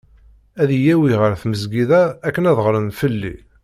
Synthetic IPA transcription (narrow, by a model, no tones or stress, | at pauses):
æðijæwiʁəɾθməzɡiðæːkːənæðʁɾənfəlːḭ